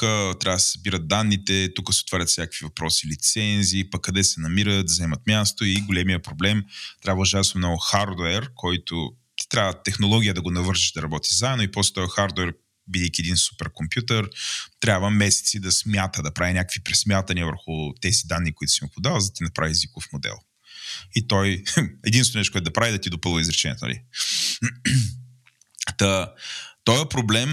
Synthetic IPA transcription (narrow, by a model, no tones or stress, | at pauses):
kət̪ɾʲavəd̪szbiɾət̪̚d̪anːit̪ɛt̪ukəsɛot̪vaɾʲət̪fsnʲakəkvivɐpɾɔsilit̪sɛnziːpɐkːɐd̪ɛsɛnɐmiɾət̪zɛmɐt̪mʲjast̪oiɡolɛmiəpɾoblɛmt̪ɾʲabvəuʒaɛsnomnɔɡʊxaɾd̪oɛɾkʰɔjt̪ʊ̥ | t̪ɾʲabvət̪ɛxnolˠɔɡʲijəd̪ɐɡonɐvɤɾʒiʒd̪ɐɾɐbɔt̪i̥zaɛd̪noipɔslɛt̪ɔjɐxaɾd̪oɛɾ | vid̪ɛkʲiɛd̪insu̥pɛɾkompjut̪əɾt̪ɾʲabvəmɛsɛ̥t̪sid̪ɐsmʲjat̪əd̪ɐpɾavinʲakə̥kvipɾɛsmʲjat̪ɐniəvəɾxʊt̪ɛzid̪anːikoit̪ʊ̥simipod̪avəzd̪t̪inɐpɾavizvikofmod̪ɛ̰lˠ | it̪ɔjɛd̪insnonɛʃt̪okɛd̪ɐpɾavid̪ɐt̪id̪opɤlˠvəizɾɛt͡ʃɛnʲḭɛ̰t̪o̰nɐ̰lḭ | t̪ət̪ɔjɐpɾoblɛm